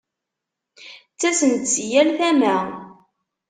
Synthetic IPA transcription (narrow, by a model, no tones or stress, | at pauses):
t͡sːæsənt̪t͡sːjælθæmæ